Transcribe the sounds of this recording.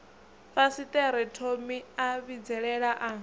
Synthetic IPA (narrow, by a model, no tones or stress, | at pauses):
fasit̪ʼɛɾɛtʰomiaβid͡zɛɺɛɺaʔa